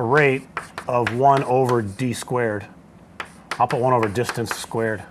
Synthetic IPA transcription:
əɹeɪɾʌvwʌ̃noʊvə˞diskwɛɹd̥ | aɪlˠpʰʊt̚wʌ̃ɾ̃oʊvə˞dɪstɨ̃nsskwɛɹd̥

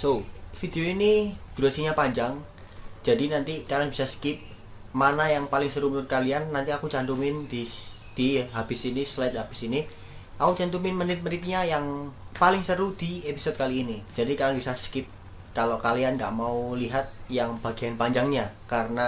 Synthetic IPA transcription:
sofid̪eoinid̪̥uɾasiɲapaɲd͡ʒaŋ | d͡ʒadinant̪ikalianbi̥saskɪp̚ | manajaŋpalɪŋsəɾumənʊt̪̚kalianːant̪iakut͡ʃant̪umɪnd̪̥i | d̪̥iɦab̥ɪsinislɛt̪̚ɦab̥ɪ̥sini | ʔakut͡ʃant̪umɪnmənɪt̪̚mənit̪̚ɲajaŋpalɪŋsəɾud̪̥iepisɔd̪̚kaliːnid͡ʒadikalanbisaskɪp̚ | kalokalianŋɡa̰ʔmauliɦat̪̚jaŋb̥aɡianpaɲd͡ʒaŋɲakarəna

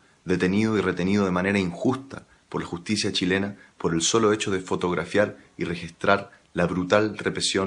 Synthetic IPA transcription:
ðe̞t̪e̞niðo̞ire̞t̪e̞niðo̞ðe̞mane̞ɾaiŋxust̪a̰ | poɾlaxust̪isjat͡ʃile̞napo̞ɾe̞lso̞lo̞e̞t͡ʃo̞ðefo̞t̪o̞ɣɾʔafjaɾire̞xist̪ɾaɾ | laβɾut̪alrepɾe̞sjo̞

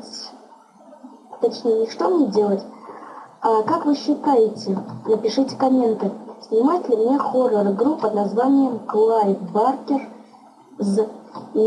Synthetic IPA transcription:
t̪ɐt͡ɕnʲejənʲɪʂt̪omnʲedʲe̞lˠətʲ | akakvɨɕːɪt̪ajɪtʲɪnəpʲɪʂɨtʲɪ̥kɐmʲe̞nt̪ɨsʲnʲɪmatʲɪlʲɪmnʲexorərɡɾupːəd̪̚nɐzvanʲɪjəmklˠajt̪barkʲɪr | z

